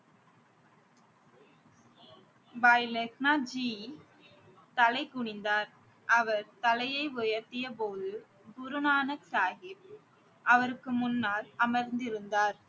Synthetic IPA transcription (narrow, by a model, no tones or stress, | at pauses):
ʋaɪlɛknaːd͡ʒiː | t̪ɐlɐɪkːʊɳɪnd̪aːɾ | ʔɐʋɐɾt̪ɐlɐjɐɪʋʊjɐɾt̪ɪjɐpoːðɯ | ɡʊɾɯnaːnɐksaːɣɪp̚ | ʔɐʋɐɾɯkːɯmʊnːaːlɐmɐɾnd̪ɪɾɯnd̪aːɾ